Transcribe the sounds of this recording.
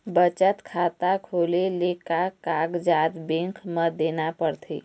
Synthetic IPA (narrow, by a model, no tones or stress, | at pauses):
bət͡ʃət̪kʰaːt̪akʰoːlelekakaːɡd͡ʒaːd̪bẽŋkʰməd̪eːnapəɽt̪ʰḛː